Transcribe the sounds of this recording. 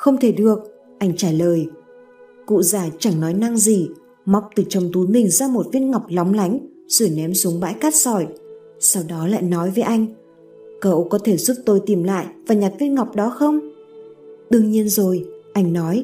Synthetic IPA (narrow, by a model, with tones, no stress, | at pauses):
xə˧wŋ͡mt̪ʰe˧˩ɗɨ˨˩ək̚ | ʔa˧jŋ̟t͡ɕaː˧˩ləː˨˩j | kṵ˧˨zaː˧˩t͡ɕa˧˩ŋnɔ˨˦jna˧ŋzi˨˩ | ma˦˥wk͡p̚t̪ɨ˨˩t͡ɕə˨˧wŋ͡mt̪u˨˦jmï˨˩ŋ̟zaː˧mo˨˩t̚vi˧˥ən̚ŋa˨˩wk͡p̚la˨˦wŋ͡mla˨˦jŋ̟ | z̥u˧˩jnɛ˨˦msu˨˦əŋɓa̰ː˧˥jkaː˦˥t̚sɔ˧˩j | sa˧wɗɔ˨˦la̰ː˧˨jnɔ˨˦jvəː˨˦jʔa˧jŋ̟ | kə˧˩ʔo˧kɔ˨˦t̪ʰe˧˩zu˦˥t̚t̪o˧jt̪i˨˩mla̰ː˧˨jvaː˨˩ɲa˨˩t̚vi˦˥ən̚ŋa˨˩wk͡p̚ɗɔ˨˦xə˧wŋ͡m | ɗɨ˧əŋɲi˧ənzo˨˩jʔa˧jŋ̟nɔ˨˦j